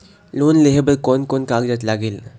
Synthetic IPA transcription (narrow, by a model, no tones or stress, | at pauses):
loːnleɦebəɾkɔnkɔnkaɡd͡ʑat̪laɡeːl